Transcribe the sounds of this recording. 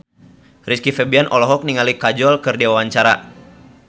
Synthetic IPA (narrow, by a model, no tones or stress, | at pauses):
riskifɛbianʔɔlɔɦɔk̚niŋalikad͡ʒɔlkɨrdiwawaɲt͡ʃaɾa̰